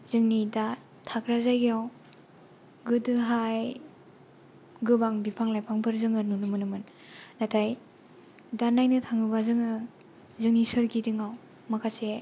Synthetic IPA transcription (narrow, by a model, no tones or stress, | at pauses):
zɯŋnida | tʰakʰɾazajɡiaw | ɡɯdɯɦaj | ɡɯbaŋbipʰaŋlajpʰaŋbʰɯɾzɯŋɯnunɯmɯnɯmɯn | natʰaj | danajnɯtʰaŋɯbazɯŋɯ | zɯŋnisɯɾɡidɯŋaw | makʰase